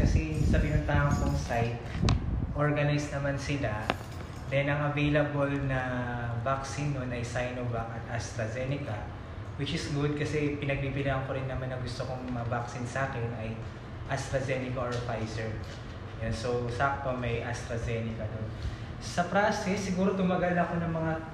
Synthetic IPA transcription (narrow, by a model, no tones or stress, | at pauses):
kɐsɛsɐpɪnʊnt̪aːʔoŋkʊŋsajt̪̚ʔo̞ɹɡɐnajsnɐmansɪla | d̪ɛnɐŋɐvejlɐbolnɐvaksɪnːonʔɐjsajnobak̚ɐt̪ʔɐst̪ɾɐzɛnɪkɐ | wɪt͡ʃɪsɡʊd̪̚kɐsɛpɪnɐɡ̚bibɪlaːʔɐŋkoɾɪnːɐmanːɐŋɡʊst̪okoŋmɐavaksɪnsʔaːkɛnʔɐj | ʔɐst̪ɾɐzɛːnɪkɐoɹfajsɛɹ | jonso̞wsɐak̚t̪̚pɐmɐjʔɐst̪ɾɐzɛnɪkɐd̪on | sɐpɾasɪsːɪɡuːɾo̞t̪ʊmɐɡɐlnɐɐko̞nɐŋmɐŋa